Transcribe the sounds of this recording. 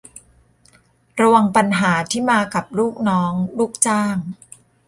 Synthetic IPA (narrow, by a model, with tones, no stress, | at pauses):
ɾa˧wa˧ŋpa˧nɦaː˩˦t̪ʰiː˥˩maː˧ka˨˩p̚luː˥˩k̚nɔː˦˥ŋluː˥˩k̚t͡ɕaː˥˩ŋ